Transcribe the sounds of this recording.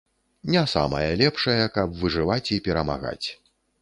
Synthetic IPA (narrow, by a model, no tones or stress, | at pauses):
nʲɛsa̰mɐ̰jɐlʲɛpʂɐjɐkɐbvɨʐɨvat͡sʲipʲɛɾɐma̰ɣa̰t͡sʲ